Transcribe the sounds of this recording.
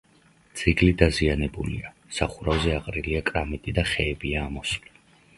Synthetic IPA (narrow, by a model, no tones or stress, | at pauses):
t̪sʰiɡlid̪azianɛbulḭa | saχuɾavzɛaqʼɾiliakʼɾamit̪ʼid̪aχɛːbiaːmɔsli